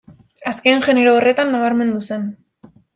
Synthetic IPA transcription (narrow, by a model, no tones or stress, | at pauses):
aske̞nʝe̞ne̞ɾoːre̞t̪anːaβ̞aɾme̞nd̪use̞n